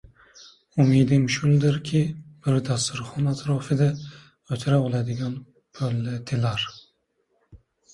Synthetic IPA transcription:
umid̪imʃuld̪ɪɾkʲʰib̥ɪɾd̪ast̪uɾχɔnat̪ʰɾɔːfɪd̪a | øt̪ʰɾabolˠad̪ɪɡɑn | pʰølːat̪ʰilaɾ

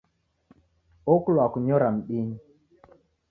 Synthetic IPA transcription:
oklwakuɲɔɾam̩ɗiɲ

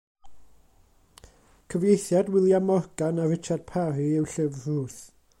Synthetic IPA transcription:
kʰəvjejθjadwɪlˠjamɔɡanavɪt͡ʃʰad̥̚pʰariɪwɬɪvruːθ

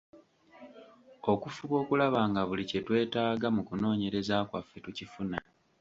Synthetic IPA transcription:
o̞kufuβo̞ːkulaβaːŋɡaβulice̞twe̞ːtaːɡamukuno̞ːɲe̞ɾe̞zakwa̰fe̞tucifuna

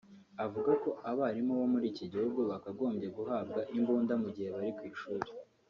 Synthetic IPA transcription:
avuɡako̞aβaːɾimoβomuɾiːciɟihuɡuβakaɡo̞ːmbɟe̞ɡuɦaːb̚ɡaʔimbuːndamuɟihe̞βaɾikwiːʃuɾi̥

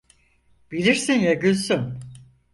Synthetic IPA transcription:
b̥iɾiɾsinjaɟylsyn

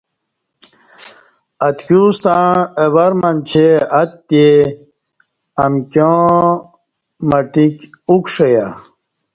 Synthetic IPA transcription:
ɐt̪kust̪ãːewɐɾmant͡ɕʰeɐt̪̚t̪je | ɐmkõ | mɐʈikukʂeja

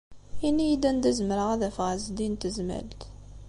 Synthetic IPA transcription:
inːijid̪ænd̪æzməɾəʁæðæfʁzd̪int̪əzmæ̰lt̪

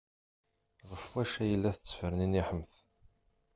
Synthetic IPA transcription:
ʁəfwæʃæjəlːæθət͡sːəfəɾniniħəmθ

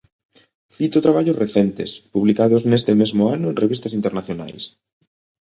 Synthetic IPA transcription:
θit̪ʊt̪ɾaβaʎosreθɛnt̪ɪ̰spuβlikaðʊznest̪ɪmezmʊanʊenreβist̪ɐsint̪eɾnaθjona̰js

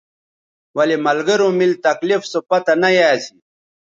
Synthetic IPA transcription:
wɐlimɐlɡɐɾomilt̪ɐklifsopɐt̪ɐnɐjaːsi

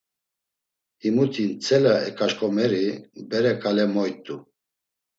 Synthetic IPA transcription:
himut̪ʰint͡sʰʼɛlaɛkʰʼaʃkʼɔmɛɾibɛɾɛkʼalɛmɔjt̪ʼu

